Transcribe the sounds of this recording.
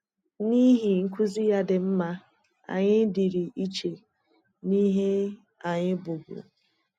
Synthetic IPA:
ni˦ɦi˨ŋ̩˦kʷʊ˦zi˦ja˦dɪ˨m̩˦ma˦ | a̰˨ɲɪ˦di˨ɾi˨ʔi˦t͡ʃe˨ | ni˦ɦe˦ | a˨ɲɪ˦bʊ˨bṵ˨

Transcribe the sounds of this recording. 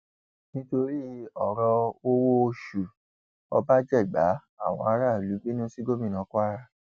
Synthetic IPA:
nĩ˦to˧ɾi˦ɔ˨ɾɔ˧o˦wo˦˧ʃu˨ | ɔ̰˧ba˦d͡ʒɛ˦˨ɡ͡ba̰˨˦ | a˦˨w̃ɔ̰̃˧a˧ɾa˦˨lu˨˦bi˦nũ˦si˦ɡo˦mĩ˦˨nã˨˦kʷa˦ɾa˦

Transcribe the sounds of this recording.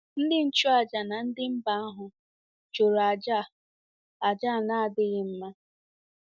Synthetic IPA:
n̩˦dɪ˦n̩˦t͡ʃu˦a˨d͡ʒa˨na˨n̩˦dɪ˦m̩˦ba˨˦a˦ɦʊ˨ | t͡ʃo˨ɾa˨d͡ʒa˦˨ | a˨d͡ʒa˦˨na˦a˨dɪ˦ɣɪ˦m̩˦ma˦

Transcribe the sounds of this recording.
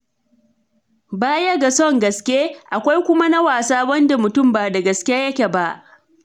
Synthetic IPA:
baː˦jɐ˦ɡa˨sɔ˦˨ŋɡɐ˨skʲeː˦ʔa˨kʷa˦jkʷʊ˦ma˦na˦waː˨saː˦wɐ˦nda˨mʊ˨tʊ˦˨mbaː˨da˨ɡɐ˨skʲe˦jɐ˦kʲe˨ba˦ʔ

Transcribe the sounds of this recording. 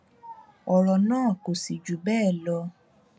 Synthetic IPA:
ɔ˨ɾɔ˨nãː˦˨ko˨si˨d͡ʒu˨bɛː˦˨lɔ˧˦

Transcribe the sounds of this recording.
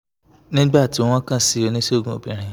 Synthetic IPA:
nĩ˦ɡ͡ba˦a˦˨ti˧wɔ̃˦wɔ̃˦kã˦˨si˧˦o˧nĩ˦se˦o˦˨ɡũ˨o˨bĩ˨ɾ̃ĩ˧

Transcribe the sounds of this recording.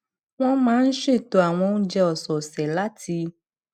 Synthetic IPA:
w̃ɔ̃˦mãː˨˦n̩˦ʃe˦˨to˨a˨w̃ɔ̃˧ñ̩˦d͡ʒɛ˧ɔ˨sɔ˨sɛ˨la˦tʰi˧

